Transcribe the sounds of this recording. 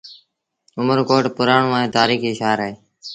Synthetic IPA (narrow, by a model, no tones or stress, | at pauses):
ʊməɾkoːʈpʊɾaːɳũːaːɦẽːt̪aːɾiːkiːʃaːɾaɦeː